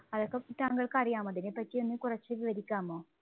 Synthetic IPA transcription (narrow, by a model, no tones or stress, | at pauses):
ɐðokːeitaːŋɡɐɭkɨɐrijaːmɐðinepɐtːijonːɨkurɐt͡ɕːɨʋiʋɐɾikʲːaːmoː